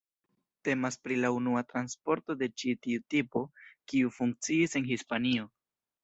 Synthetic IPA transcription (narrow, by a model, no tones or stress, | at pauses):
te̞maspɾilaunuatɾanspo̞ɾto̞de̞t͡ʃitiutipo̞kiufuŋk̚t͡siːse̞nhispanio̞